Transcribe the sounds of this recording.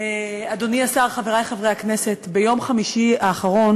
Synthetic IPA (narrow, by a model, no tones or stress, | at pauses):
e | ado̞niasaʁχaveʁajχavʁejakne̞setbe̞jo̞mχamiʃiaːχaʁo̞n